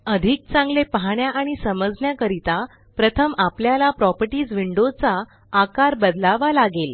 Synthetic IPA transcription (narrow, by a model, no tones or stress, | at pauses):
əd̪ʱik̚t͡sãŋɡlepəɦaɳjaʔaɽ̃isəməd͡zɳjakəɾit̪a | pɾət̪ʰəmapljalapɾɔpəɾʈiːd͡zʋiɳɖot͡saː | kaɾbəd̪laʋalaɡel